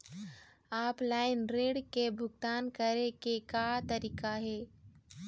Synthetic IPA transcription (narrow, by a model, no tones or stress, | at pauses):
aːplaːɪnɾeːɽkebʱʊɡt̪aːnkəɾekekat̪əɾiːkaɦɛː